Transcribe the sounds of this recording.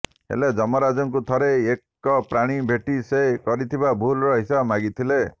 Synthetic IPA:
ɦḛled͡ʒɔmɔɾad͡ʒɔŋk̬ut̪ʰɔɾeekː | ɔpɾaɽ̃ibʱeʈisekɔɾit̪ʰibabʱulɾɔɦisabmaɡit̪ʰile

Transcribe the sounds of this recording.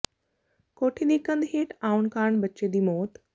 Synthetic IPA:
koːʈʰid̪ikə̃nd̪ɦeːʈaːʊnkaːɳbɐt͡ʃed̪iːmoːt̪

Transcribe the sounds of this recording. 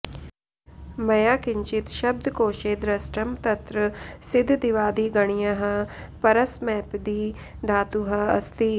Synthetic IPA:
mɐjaːkɪɲt͡ʃɪt̪ʃɐb̚d̪ʱkoːʃeːd̪ɾɐsʈəmt̪ɐt̪ɾəsɪd̪ʱd̪ɪʋaːd̪iːɡɐɽ̃ijaɦɐpɐɾəsmɛːpd̪iː | d̪aːt̪uɦɐɐ̰st̪iː

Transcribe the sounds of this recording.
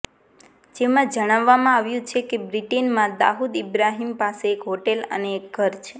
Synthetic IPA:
d͡ʒemãd͡ʒəɽ̃aʋːamãaʋjũt͡ʃʰekebɾiʈenmãd̪a̰ɦud̪ibɾaɦimpaseːkɦoʈelə̰neːk̚ɡʱəɾt͡ʃʰe

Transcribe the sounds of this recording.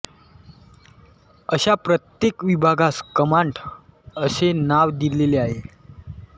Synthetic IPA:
əɕapɾət̪jekʋibʱaɡaskəmaɳʈ | əsenaʋd̪ileleaɦe

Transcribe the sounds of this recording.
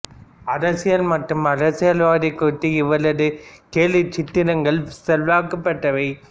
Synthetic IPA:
ɐɾɐsɪjɐlmɐʈːɯmɐɾɐsɪjɐlʋaːðɪkːoːt̪ːiɪʋɐɭɐðɯkeːlɪt͡ʃɪt̪ːɪɾɐŋɡɐɭsɛlʋaːkɐpːɐʈːɐʋɐɪ

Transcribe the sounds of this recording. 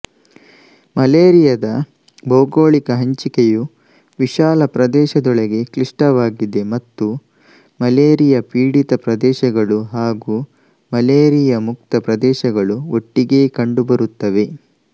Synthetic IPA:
mɐleːɾijɐd̪ɐ | bɐwɡoːɭikɐɦɐɲt͡ʃikeju | ʋiʃaːlɐpɾɐd̪ɛːʃɐd̪ɔɭɐɡe̞kliʂʈɐʋaːɡid̪e̞mɐt̪ːu | mɐleːɾijɐpiːɽit̪ɐpɾɐd̪ɛːʃɐɡɐɭuɦaːɡuː | mɐleːɾijɐmuk̚t̪ɐpɾɐd̪ɛːʃɐɡɐɭuoʈːiɡe̞ːkɐɳɖubɐɾut̪ːɐʋe̞

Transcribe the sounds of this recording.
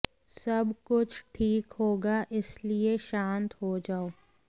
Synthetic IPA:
sɐbkʊt͡ʃʰʈʰiːkɦoːɡaʔɪslieʃãːnt̪ɦod͡ʒaːoː

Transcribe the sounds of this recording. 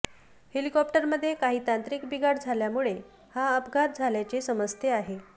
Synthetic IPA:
helikɔp̚ʈəɾməd̪ʱːjekaɦiːt̪ant̪ɾikbiɡʱaɾd͡zʱaljamuɭe | haəpɡʱaɾ̚d͡zʱaljat͡ɕesəməst̪ʰeaɦe

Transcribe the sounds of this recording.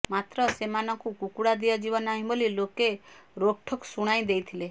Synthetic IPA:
mat̪ɾɔsemanɔŋkukukuɽad̪iad͡ʒibɔnaɦĩbolilokeɾoʈʰɔksuɽ̃aj̃d̪ejt̪ʰile

